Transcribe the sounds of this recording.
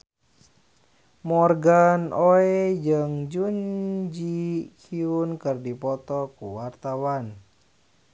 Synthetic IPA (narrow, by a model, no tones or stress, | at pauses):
mɔrɡanoɛd͡ʒɨŋd͡ʒuɲd͡ʒikʰiunkɨrdipɔt̪ɔkuwart̪awan